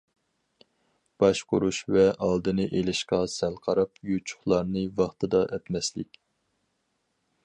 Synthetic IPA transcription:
b̥ɑʃqʰʊɾuʃvɛʔɑlˠd̪ɨnɨʔelɪʃqɑsælˠqʰɑɾɑpjut͡ʃʰʊ̥χlˠɑɾnɨvɑχt̪ʰɨd̪ɑʔɛt̪mɛslɪkʲ

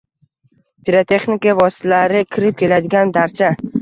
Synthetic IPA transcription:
pʰiɾat̪ʰe̞χnɪkavɒsɪ̥laɾɪkʲʰɪɾɪp̚kʲe̞lad̪ɪɡʲand̪aɾt͡ʃʰa

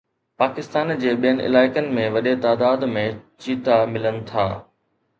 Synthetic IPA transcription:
paːkɪst̪aːnd͡ʑeːɓijənɪ̆ʔɪ̰laːɪkənɪ̆mẽʋɐɗet̪aːd̪aːd̪mẽt͡ɕiːt̪amɪlənɪ̆t̪ʰa̰ː

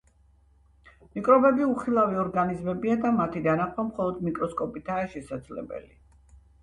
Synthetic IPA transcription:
mikʼɾɔbɛbiuχilˠaviɔɾɡanizmɛbiad̪amat̪ʰid̪anaχʰwamχɔlˠɔd̪mikʼɾɔskʼɔpʼit̪ʰaːʃɛsad̪zlɛ̰bɛ̰li

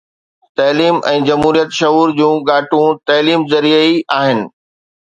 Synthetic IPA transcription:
t̪ɐːliːmɛ̃ːd͡ʑɐmɦuːɾijət̪ʃɐɦuːɾd͡ʑũːɠaːʈũt̪ɐːliːmzɐɾiəiaːɦɪnɪ̆

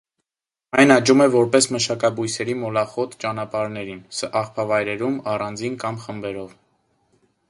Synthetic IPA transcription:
ɑjnɑd͡ʒumɛvɔɾpɛsməʃɑkɑbujsɛɾimɔlɑχɔt̪ʰt͡ʃɑnɑpɑɾnɛɾinsɑχpʰɑvɑjɾɛɾumɑrɑnd͡zinkɑmχəmbɛɾɔv

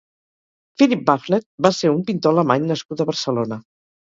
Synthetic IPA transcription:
filip̚baflet̪̚baseɾumpint̪oələmaɲnəskut̪əβəɾsəlonə

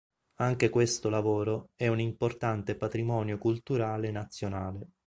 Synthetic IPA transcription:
aŋk̟ekwest̪olavoːɾoɛunimport̪ant̪epat̪ɾimɔːnjokult̪uɾaːlenːat̪sːjonaːle

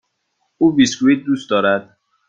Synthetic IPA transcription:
uːbiskuid̪̚d̪usd̪ɒːɾæd̪̥

